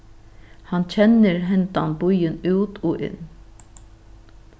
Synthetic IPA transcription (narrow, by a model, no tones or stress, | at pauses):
hɑnt͡ɕʰɛnːəɾɦɛnt̪a̰nbʊjɪnʉːt̪ʰoːʔɪ̰nː